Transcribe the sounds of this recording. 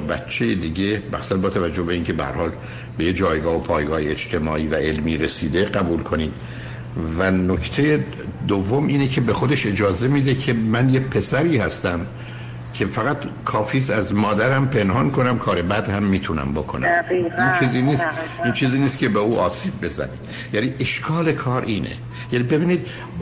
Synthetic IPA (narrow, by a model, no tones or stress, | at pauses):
bæt̪t͡ʃʰːejed̪iːɟe̞bæ̰xsænbɒːt̪ʰævæd͡ʒːohbeiːncʰebæhæ̰ɾhɒːl | be̞jed͡ʒɒːjɡɒːhopʰɒːjɡɒːheed͡ʒt̪ʰe̞mɒ̰ːʔiːvæe̞lmiːɾesiːd̪e̞ɡæbuːlkʰoniːd̪̥̚ | vænokʰt̪ʰe̞je | d̪ovːo̞mʔiːnecʰe̞bexo̞d̪e̞ʃe̞d͡ʒɒːze̞mid̪ecʰe̞mænjepʰe̞sæɾiːhæst̪æm | cʰe̞fæɣæt̪kʰɒːfiːzæzmɒːd̪æɾæmpʰe̞nhɒːnkʰo̞næmkʰɒːɾe̞bæd̪hæmːiːt̪ʰunæ̰mbo̞kʰonæ̰mʔint͡ʃʰiːziːniːst̪iːnt͡ʃʰiːziːniːst̪̚cʰe̞beuːʔɒːsiːb̚ːe̞zæ̰nḭːd̪ | jæniːʔeʃkʰɒːle̞kʰɒːɾʔiːnḛ | jænibe̞biːniːd̪